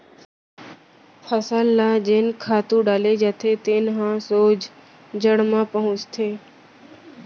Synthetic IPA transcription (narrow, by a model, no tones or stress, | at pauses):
pʰəsəlːaːd͡ʒeːnkʰaːt̪ũɖaːled͡ʒəːt̪ʰet̪eːnɦãːsoːd͡ʒ | d͡ʒəɽmãːpəɦʊ̃t͡ʃt̪ʰeː